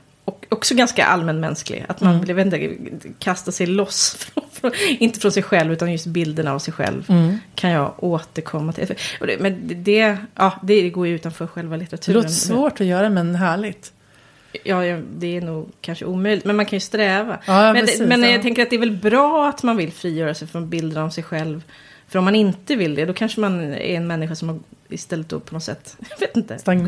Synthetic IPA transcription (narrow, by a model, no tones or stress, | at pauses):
ɔkɔksɔɡanska̰ʔa̰lmɛnːmɛ̰nsklɪ̰ɡa̰t̪manvɪljaveːt̪ɪt̪ə̰kʰast̪asɛjlɔsfɾɔfɾɔɪnt̪əfɾɔnsɛjɧɛlvʉ̟ːt̪anjɵst̪bɪld̪əna̰vsɛjɧɛ̰lvkʰanjɑːoːt̪əɾkʰɔmːat̪ʰɪ̰ʔɔd̪ɛmɛnd̪ɛʔɑːd̪ɛd̪ɛɡoːjʉ̟ːt̪anfœːɾɧɛlvalɪt̪əɾat̪ʰʉːloːɾt̪ssvoːʈɔjœːɾaɛmɛnɦæːɭɪɡt̪ | jɑːjd̪ɛːɾnuːɡkʰanʂə̰uːmœjlɪɡt̪mɛnmankʰanjɵst̪ɾɛːva̰ɑmɛnːmɛnjɑɡt̪ʰɛŋkəɾat̪̚ɛɾvɛlbɾɑːat̪manvɪlfɾiːjœːɾasɛjfœɾmanbɪld̪aɾɔmsɛjɧɛlv | fœɾɔmːanɪnt̪əvɪld̪ɛd̪ɔkʰanʂəmanæ̰ɾɛnmɛnːɪɧasɔmhaɪ̰st̪ɛlːət̪̚d̪ɔ̰pʰɔnɔt̪sɛ̰t̪ːjɑveːt̪ɪnt̪ə̰s